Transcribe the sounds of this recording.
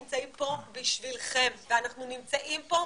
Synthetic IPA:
mt͡saimpo̞biʃvilχemveanaχnunimt͡saʔimpo̞

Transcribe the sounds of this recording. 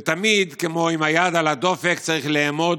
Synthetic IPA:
t̪amid̪kemo̞imajad̪alad̪o̞fekt͡saʁiχlemo̞d̪

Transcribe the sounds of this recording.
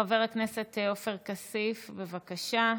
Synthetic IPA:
aveʁleknesetofeʁkasifbe̞vakaʃa

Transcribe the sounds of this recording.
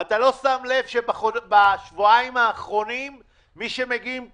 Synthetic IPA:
at̪alo̞stamle̞vʃebaχobaʃvuaimaːχʁo̞nimː | iʃemeɡim

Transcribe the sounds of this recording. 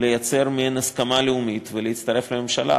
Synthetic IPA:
le̞jat͡se̞ʁmienaskamaleumit̪veleit̪t͡st̪aʁe̞flememʃala̰

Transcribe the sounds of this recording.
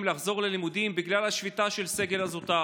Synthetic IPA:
mlaχzo̞ʁle̞limud̪imbiɡlalaʃvitaʃe̞lse̞ɡe̞lazot̪a

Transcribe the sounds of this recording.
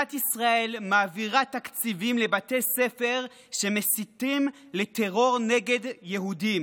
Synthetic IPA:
at̪isʁae̞lmaːviʁat̪akt͡sivimlebat̪esefeʁ | ʃemesitim | let̪eʁo̞ʁneɡe̞d̪jeɦudim

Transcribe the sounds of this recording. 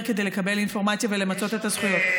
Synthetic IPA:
kede̞jle̞kabe̞linfo̞ʁmat͡sjave̞le̞mat͡so̞t̪et̪az̥χujo̞t̪

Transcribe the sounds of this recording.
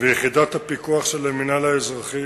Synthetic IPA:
vejeχid̪ot̪hapikuaχʃeleminalaezʁaχi

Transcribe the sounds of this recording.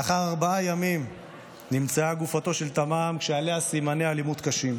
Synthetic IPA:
aχaʁaʁbaajamim | nimt͡saaɡufato̞ʃelt̪amaːmkʃealeasimanealimut̪kaʃim

